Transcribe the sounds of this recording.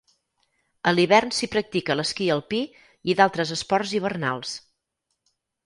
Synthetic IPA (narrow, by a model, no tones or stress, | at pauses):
əliβɛrnsipɾək̚t̪ikələskiəlˠpi | iðalˠt̪ɾəzəspɔrziβ̞ərna̰lˠs